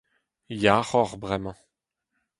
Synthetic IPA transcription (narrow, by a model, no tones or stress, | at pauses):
jaʁɔʁbʁɛmɑ̃